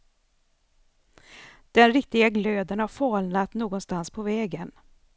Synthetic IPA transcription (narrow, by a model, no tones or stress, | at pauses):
d̪̥ɛnɾɪk̚t̪ɪɡaɡløːd̪ənhaɾfɑːlnat̪noːɡɔnst̪anspʰɔvɛːɡən